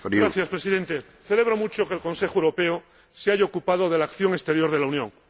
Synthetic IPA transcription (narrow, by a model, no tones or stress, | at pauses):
ɡɾaθjaspɾesiðe̞nt̪e̞ | θe̞le̞β̞ɾo̞mut͡ʃo̞kelkõ̞nse̞xwoewɾo̞peo | seaʝaokupað̞o̞ðe̞laːkθjo̞ŋest̪e̞ɾjo̞ɾðe̞lauwnjõ̞ŋ